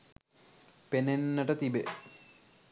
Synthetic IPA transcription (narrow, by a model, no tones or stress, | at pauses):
penenːəʈət̪ibe